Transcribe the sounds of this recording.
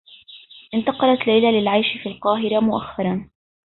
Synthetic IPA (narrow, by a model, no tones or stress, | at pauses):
ʔɪnt̪ɑqɑlat̪lajlalɪlʕajʃfiːlqɑːɦɪɾamʊʔaxːɑɾˤɑn